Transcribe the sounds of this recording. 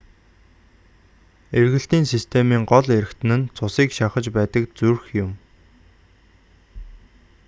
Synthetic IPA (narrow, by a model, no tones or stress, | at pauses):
erɣɘ̆ɬt̪iːnsist̪ʰemiːŋɢɔɮeɾɘ̆xt̪ʰɘ̆nɘ̆nt͡sʰʊsiːkʃaχə̆t͡ɕpæːt̪ə̆kt͡surxjʊm